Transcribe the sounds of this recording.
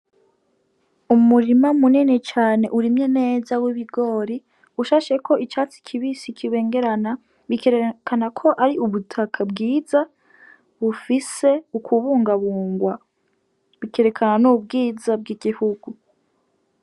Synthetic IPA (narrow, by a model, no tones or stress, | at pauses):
umuɾimamuninet͡ʃaːne̞ʔuɾimɲe̞ne̞ːzawiβiɡo̞ːɾi | uʃaːʃe̞kʰo̞ʔit͡ʃaːt͡si̥kʰiβisikʰiβe̞ːŋɡe̞ɾana | βikeɾekʰanakʰo̞ʔaɾiʔuβutʰakʰabɡiːza | βufise̞ukʰuβuːŋɡaβuːŋɡwa | βikʰe̞ɾe̞kʰananubɡiːzab̚ɡiɡihuɡu